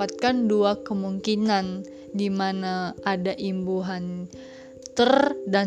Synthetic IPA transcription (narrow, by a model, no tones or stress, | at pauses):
at̪̚kanduakəmuŋkinan | dimanaʔːdaʔimbuɦan | t̪ərda